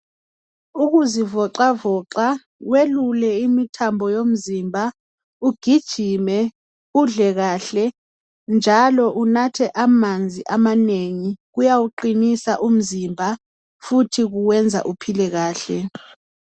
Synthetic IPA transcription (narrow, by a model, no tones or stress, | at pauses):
uɣuzivɔǃavɔːǁa | welulɛimitʰambʱɔjom̩zimbʱa | uɡ̥ʱid̥ʒ̥ʱimɛ | uɮɛɣaːɬɛ | nd͡ʒʱalɔʔunatʰɛʔamand͡zʱiʔamaneŋiɣujawuǃinisa̰ʔum̩zimbʱa | futʰiɣuwɛnd͡zʱa̰ʔupʰilɛɣaːɬɛ